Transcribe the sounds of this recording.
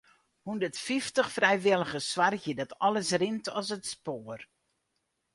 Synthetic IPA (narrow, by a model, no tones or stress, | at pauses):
hundətfiftəχfrɛjʋɪlˠəɣəsʋarɣjədɔtɔləsrɪntɔs̬ətspoːər